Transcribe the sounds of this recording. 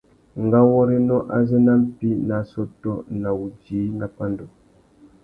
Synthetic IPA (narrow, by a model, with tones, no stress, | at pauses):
ŋ˨ɡa˦wɔ˦ɾe˦nɔ˦ʔa̰˨zɛ˦na˦m̩˦pi˦na˨sɔ˦tɔ˦na˨wu˨d͡ʒiː˨˦na˨pa˦ndɔ˨